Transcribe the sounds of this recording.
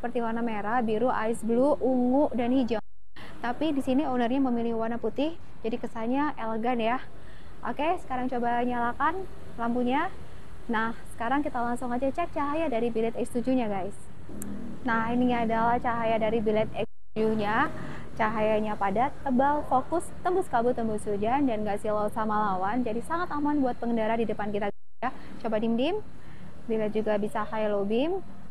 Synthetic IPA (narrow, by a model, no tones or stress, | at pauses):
əpərt̪iwanameɾabiɾuʔa̰ɪsbluʔuŋʊʔdanhid͡ʒaŋ | t̪apidisinionərɲaməmilɪhwanaput̪ɪh | d͡ʒadikəsaɲaʔeləɡanja | ʔo̰kesə̥kaɾaŋt͡ʃobaɲalakan | lampuɲa | nahsə̥kaɾaŋkit̪alaŋsuŋad͡ʒat͡ʃɛk̚t͡ʃaɦajadaɾibilɛt̪ɛkst̪ud͡ʒuɲaɡajs | nahiniadalaht͡ʃaɦajadaɾibilɛt̪̚ɛkst̪ud͡ʒuɲa | t͡ʃaɦajaɲapadat̪ːəbalfokʊst̪əmbʊskabʊt̪əmbʊsud͡ʒandanɡaʔsilaut̪samalawand͡ʒadisaŋat̪amanbuat̪̚pəŋəndaɾadidəpankit̪aɡ | a | t͡ʃobadimdɪm | bilat̪̚d͡ʒuɡabisahajalobɪm